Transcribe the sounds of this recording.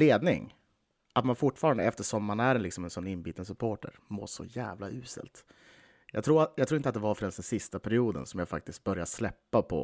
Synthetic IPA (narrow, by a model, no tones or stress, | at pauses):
leːd̪nɪ̰ŋ | ʔat̪manfʊʈːfɑːɾand̪əɛft̪əʂɔmːanæɾɛnlɪksɔmɛnsɔnːɪnbiːt̪əns̬ɵpʰoːʈə̰ɾmo̰ːʂɔ̰jæ̰ːvlaʔʉ̟ːsə̰lt̪ | jɑ̰ːɡt̪ʰɾuːɾajɑɡt̪ʰɾuːɪnt̪at̪̚d̪ɛvaɾfœɾɛnsd̪ɛnsɪst̪apʰæɾɪuːd̪ə̰nsɔmjaːfak̚t̪ɪst̪̚bœɾjaslɛpːapʰɔ̰